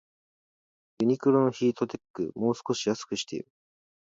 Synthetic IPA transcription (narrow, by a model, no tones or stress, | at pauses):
jɯɲ̟ikɯ̟ɾo̞no̞çiːt̪o̞t̪e̞kːɯ̟̰mo̞ːsɨ̥ko̞ɕijasɨ̥kɯ̟ɕi̥t̪e̞̰iɾɯ̟